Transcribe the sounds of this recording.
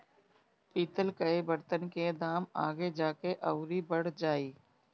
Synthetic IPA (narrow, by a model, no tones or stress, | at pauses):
piːt̪əlkɐebəɾt̪ənked̪aːmaːɡed͡ʒaːkeʔɐʊɾibəɽ̤d͡ʒaːiː